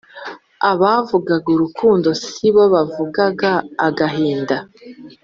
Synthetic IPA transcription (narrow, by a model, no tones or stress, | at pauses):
aβavuɡaɡuɾukʰuːndo̞siβo̞βavuɡaɡaːɡaɦiːnda